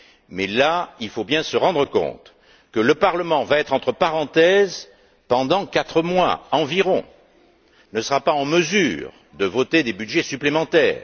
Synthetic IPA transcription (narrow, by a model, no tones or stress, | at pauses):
mɛlailfobjɛ̃səʁɑ̃d̪ʁəkɔ̰̃t̪ | kələpaʁləmɑ̃vaɛt̪χɑ̃t̪χəpaʁɑ̃t̪ɛz | pɑ̃d̪ɑ̃kat̪χəmwa̰ɑ̃viʁɔ̃ | nəsəʁapaɑ̃məzyʁ | d̪əvɔt̪ed̪ebyd̪ʒɛsyplemɑ̃t̪ɛ̰ːʁ